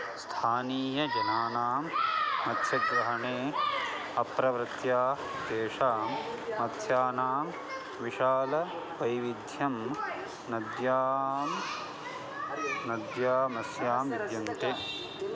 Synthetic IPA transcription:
st̪ʰaːniːjɐd͡ʒɐnaːnaːmːɐt̪ʰjɐɡʋɐɦɐɳeː | ɐpɾɐʋɾɪt̪jaː | d̪eːʃaːmmɐt̪ʰjaːnaːm | ʋiʃaːlɐ | ʋɐjʋid̪ʱjɐm | nɐd̪jaːm | nɐd̪jaːmɐsjaːmʋid̪jɐnt̪e

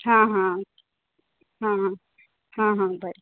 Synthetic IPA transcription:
ɦãɦã | ɦãɦã | ɦãɦãbʱə

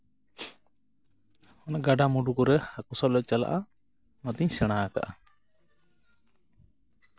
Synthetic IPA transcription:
ɔnɛɡaɖamuɖukɔɾɛhakusalɔc̚t͡ʃala̰ʔa | mat̪iɲsɛɽ̃aka̰ʔa

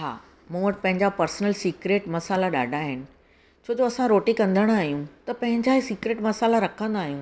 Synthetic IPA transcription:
ɦa̰ː | mũːʋəʈɪpɐ̃ɦɪ̃ɲd͡ʑapɐɾsnəlsiːkɾeːʈmɐsaːlaɗa̰ːɖʱaːɦɪnɪ̆ | t͡ɕʰoːd͡ʑoɐsãɾoːʈikɐ̃nd̪ʱəɽ̃aːɦijũt̪ɐpɐ̃ɦɪ̃ɲd͡ʑaɦisiːkɾeːʈmɐsaːlaɾɐkʰə̃nd̪aːɦijũː

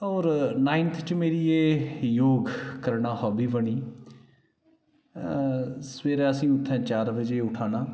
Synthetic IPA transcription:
ɔːɾnaːɪnt̪ʰt͡ʃmeːɾieːjoːɡkəɾɳaːɦɔːbiːbəɳiː | səʋeːɾɛːəsĩːʊt̪ʰːɛ̃ːt͡ʃaːɾbəd͡ʒeːʊʈʰaːnaː

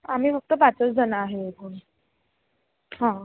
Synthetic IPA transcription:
am̤iːfək̚t̪əpat͡sət͡sd͡zʱənaɦeek̪uɳi | ɦã

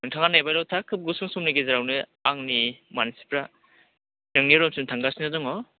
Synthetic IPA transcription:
nɯŋtʰaŋanajbajlawtʰakʰːɯp̚ɡɯsuŋsumnɯɡezaɾawnɯaŋnimanisi̥pʰɾa | nɯŋniɯɾɔmsɯntʰaŋɡasinadɔŋɔ

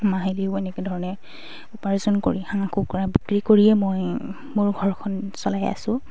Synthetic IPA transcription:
maɦiliʊenɛkedʱɔɹɔnɛ | ʊpaɹizɔnko̰ɹihaŋakʰukɔɹabikɹikoɹiɛmoj | mʊɹɡʱɔɹkʰɔnsɔlaja̰sʊ̃

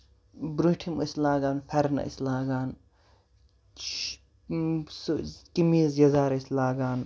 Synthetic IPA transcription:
bɾuʈʰimɐ̰slaːɡaːnfʰɐɾnɐ̰ḭslaːɡaːn | skimiːzjɐzaːɾɐislaːɡaːn

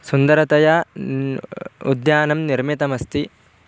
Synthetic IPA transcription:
sund̪ɐɾɐt̪ɐjɐ | ṵd̪jaːnɐmniɾmit̪ɐmɐst̪i

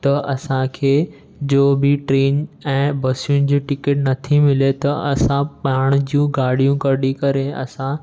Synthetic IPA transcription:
t̪ɐʔɐsãkʰeː | d͡ʑoːbɪʈɾeːnɛ̃ːbɐsijʊnɪ̆d͡ʑiːʈɪkeʈnɐt̪ʰimɪlet̪ɐɐsãɓaːɽ̃d͡ʑijũɡaːɾɽ̤ijũkɐɾɗikɐɾeɐ̰sã

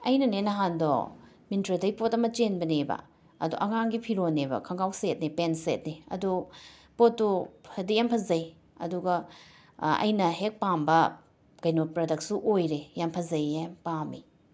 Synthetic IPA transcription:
ɐjnɐnenɐɦandɔ̰ | mintɾɐdɐjipotɐmɐt͡ʃenbɐnebɐ̰ | ɐ̰duʔɐŋaŋɡipʰiɾonebɐ̰kʰɐŋɡawset̚nipensḛt̚niɐ̰dupotːupʰɐdijampʰɐzɐj | ɐ̰duɡɐ | ɐ̰jnɐɦek̚pambɐ | kɐjnopɾɐdɐk̚suʔojɾejampʰɐzɐjepami

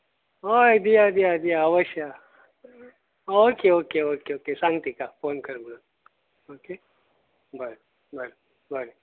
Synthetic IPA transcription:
ɦojd̪ijad̪ijad̪ijaɐʋəʃjə | oːkeoːkeoːkeoːkesãŋt̪ikafoːnkəɾmula | oːke | bəɾ | bɐɾ | bəɾe

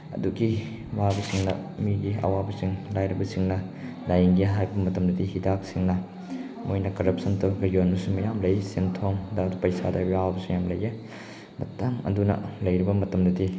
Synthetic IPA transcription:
ɐ̰duɡi | wabɐsiŋnɐ̰miɡiɐ̰wabɐsiŋlajɾɐbɐsiŋnɐ | lajŋɡijɦajbɐmɐtɐmdɐdihidak̚siŋnɐ | mojnɐkɐɾɐp̚sɐntɐɡɐjonmɐsumɐjamlɐjsentʰoŋdadupɐjsa̰dabiawabɐsuŋjamlɐje | mɐ̰tɐŋɐ̰dunɐ̰lɐjɾibɐmɐtɐmdɐdi

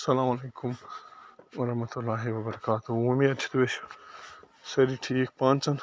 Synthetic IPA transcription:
sɐlaːmɐleːkʊm | wɐɾɐɦmɐt̪ulːaːɦiwɐbɐɾɐkaːt̪uũmĩɐt͡ʃʰi̥t̪ʋeːʃ | sɐɾiʈʰiːkpãːnt͡sɐn

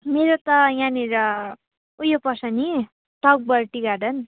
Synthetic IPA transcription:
meɾot̪ʌjãniɾʌ | ujopʌsʌni | ʈʌk̚bʌɾʈiɡaɖʌn

